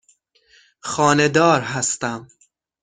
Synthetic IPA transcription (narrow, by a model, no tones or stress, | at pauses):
xɒːne̞d̪ɒːɾɦæst̪æm